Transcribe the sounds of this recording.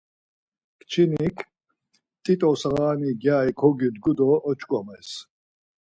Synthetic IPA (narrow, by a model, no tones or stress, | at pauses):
kʰt͡ʃʰinikʰ | t̪ʼit̪ʼɔsaʁaːniɡjaːjkʰɔɡid̪ɡud̪ɔʔɔt͡ʃʰʼkʼɔmɛs